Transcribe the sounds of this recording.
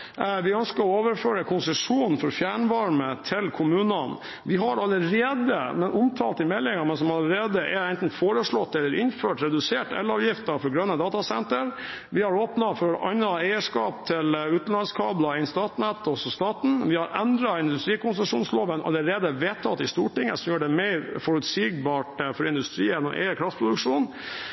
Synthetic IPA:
ʋɪœnskəɾɔoːʋəɾføːɾəkʰʊnsəʂuːnn̩fɔɾfjæːɳʋɑɾmət̪ʰɪlkʰʊmʉːnən | ʋɪɦɑɾɑləɾeːd̪ə̰mɛnʔʊmt̪ʰɑ̰ːlt̪ɪmɛlːɪŋɑmɛnsɔmɑləɾeːd̪əʔɛɾɛnt̪n̩foːɾəʂɭɔt̪ːɛlːəɾʔɪnføːʈɾɛd̪ʉseːʈɛ̰ləɾɑːʋjɪft̪əfɔɡɾœnːəd̪ɑːt̪ɑsɛnt̪əɾ | ʋɪhɑɾoːpnɑfɔɾʔɑnːɑæɪəʂkɑːpt̪ʰɪlʉːt̪n̩lɑnskʰɑːblɑɪnst̪ɑːt̪nɛt̪ːɔsɔst̪ɑːt̪n̩ʋɪhɑɾɛnd̪ɾɑɪnd̪ʉst̪ɾiːkʊnsəʂuːnsloːʋənʔɑ̰lːəɾeːd̪əʋeːt̪ʰːɑt̪ːɪst̪uːʈɪŋːə̰sɔmjøːɖɛmɛɪɾfɔɾʉt̪siːɡ̚bɑːʈfɔɾɪnd̪ʉst̪ɾiːənɔ̰ʔɛ̰ɪəkʰɾɑft̪spʰɾʊd̪ʉkʂuːn

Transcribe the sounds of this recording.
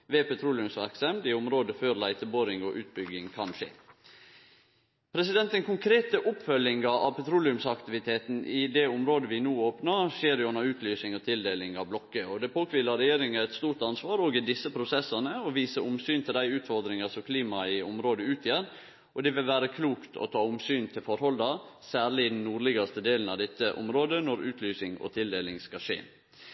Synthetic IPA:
ʋeːpɛt̪ʰɾuːlɪʉmsʋæɾksɑmd̪ɪʊmɾoːd̪əføːɾlæɪt̪əboːɾɪŋɔʔʉːt̪̚bʏɡɪŋkʰɑnʂḛː | pʰɾɛsɪd̪ɛnt̪əŋkʰʊŋkʰɾeːt̪əʔʊpfœljɪŋɑɾɑ̰ʋpʰɛt̪ʰɾuːlɪʉmsɑkt̪ɪʋɪt̪ʰeːt̪n̩ʔɪd̪ɛʊmɾoːd̪əʋɪnuːoːpnəʃeːɾjʊɑnɑɾʉːt̪ʰlyːsɪŋɔt̪ʰɪld̪eːlɪŋɑʋblɔkːəɔd̪ɛpʰoːkʋɪlɑɾɛjeːɾɪŋɑæt̪st̪uːɾʈ̪ɑnsʋɑːɾoːɡɪd̪ɪsːəpʰɾʊsɛsɑnəɔʋiːsəʔʊmsyːnt̪ʰɪld̪æɪʉːt̪fɔɾd̪ɾɪŋɑsɔmkʰliːmɑɪʊmɾoːd̪əʉːt̪ʰjɛɾ | ʔɔd̪ɛʋɪlʋæːɾəkʰluːkt̪ʰɔ̰t̪ʰɑːʊmsyːnt̪ʰɪlfɔɾhɔld̪ɑsæːɾɭɪɪd̪n̩nuːɾɭɪɡɑst̪əd̪eːln̩ɑʋd̪ɛt̪ːəʔʊ̰mɾoːd̪ənɔɾʉːt̪ʰlyːsɪŋɔ̰t̪ʰɪld̪eːlɪŋskɑʂḛː

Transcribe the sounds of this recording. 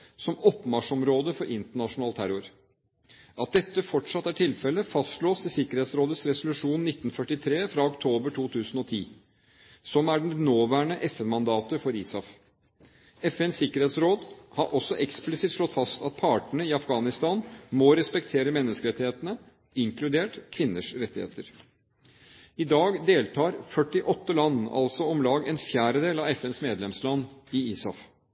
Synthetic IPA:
sɔmɔpːmɑʂɔmɾoːd̪əfɔɾʔɪnt̪əɳɑʂʊnɑːlt̪ʰæɾʊɾ | ʔɑt̪̚d̪ɛt̪ːəfɔʈʂɑt̪ːæʈʰɪlfɛlːəfɑst̪ʂɭoːsɪsɪkəɾheːt̪sɾoːd̪ət̪sɾɛsʊlʉʂuːnnːɪt̪ːnfœʈːɪt̪ʰɾeːfɾɑɔkt̪ʰoːbəʈʰuːt̪ʰʉːsən̩ɔt̪ʰiː | sɔmæɖɛnnoːʋæːɳəʔɛfɛnmɑnd̪ɑːt̪əfɔɾiːsɑf | ɛfɛnsɪkəɾheːt̪sɾoːd̪hɑɾʔɔsːɔʔɛksplɪsɪt̪ʂlɔt̪ːfɑst̪ɑt̪̚pʰɑːʈəɳəɪɑfɡɑːnɪst̪ɑːnmɔɾɛspɛkt̪ʰeːɾəmɛnːəskəɾɛt̪ːɪheːt̪ənə | ɪŋkʰlʉd̪eːʈkʰʋɪnːəʂɾɛt̪ːɪhḛːt̪əɾ | ɪd̪ɑːɡd̪eːlt̪ʰɑːɾfœʈːɪʔɔt̪ːəlɑnːɑ̰lsɔɔmlɑːɡɛnfjæːɾəd̪eːlɑʋɛfɛnsmeːd̪lɛmslɑnːɪiːsɑf

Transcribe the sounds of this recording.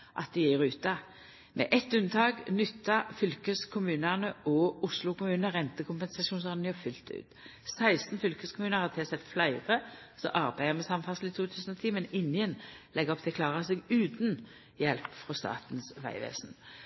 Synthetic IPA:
ʔɑ̰t̪̚d̪ɪjiːʁʉːt̪ɑ | mʔɛ̰ʔɛt̪ʉnt̪ʰɑːɡnʏt̪ːɑfʏlkəskʰʊmʉːnəʁnəɔʊslʊkʊmʉːnəʁɛnt̪əkʰʊmpɛnsɑsuːnsɑʁnjœfʏlt̪ʉ̰ːt̪sæɪst̪n̩fʏlkəskʰʊmʉːnəʁhɑt̪ʰɛsɛt̪ːflæɪʁəsɔ̰ʔɑʁbæɪəmɛsɑmfɑsl̩ɪt̪ʰuːt̪ʰʉːsn̩ɔt̪ʰiːmɛnɪnjənlɛɡɔpt̪ʰɛklɑːʁəsɛɡʉːt̪n | jɛlpfʁɔst̪ɑ̰ːt̪nsʋæ̰ɪʋḛːsn

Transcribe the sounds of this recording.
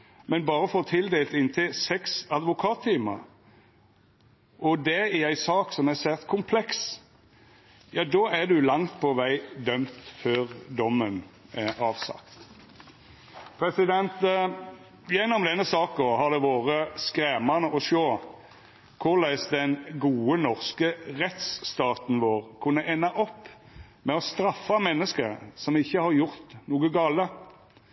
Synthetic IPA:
mɛnbɑːɾəfoːt̪ʰɪld̪eːlt̪ɪnt̪ʰɪlsɛksɑd̪ʋʊkʰɑːt̪ʰːiːmə̰ɾ | ʔɔd̪ɛææɪsɑːksɔmæsæːt̪kʰʊmpʰlɛks | jɑːd̪ɔːæd̪ʉlɑŋt̪pʰɔʋæɪd̪œmt̪føːʁd̪ɔmːənɛɑːʋsɑ̰kt̪t̪ | pʰɾɛsɪd̪ɛnt̪ | jɛnːɔmd̪ɛnːəsɑːkɔhɑd̪ɛʋoːʁəskɾeːmɑnəʔɔʃoː | kʰʊʁlæɪsd̪ɛnɡuːənɔʁskəʁɛt̪st̪ɑːt̪n̩ʋoːʁkʰʉnːəʔɛnːɑʔɔpː | mɛɔst̪ɾɑfːɑmɛnːəskəsɔmɪçːəhɑɾjʊʁt̪nuːɡəɡɑːlə

